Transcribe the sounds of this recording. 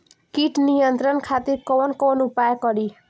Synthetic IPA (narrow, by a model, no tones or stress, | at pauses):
kiʈnijʌnt̪ɾʌnkʰat̪iɾkonkonupajkʌɾi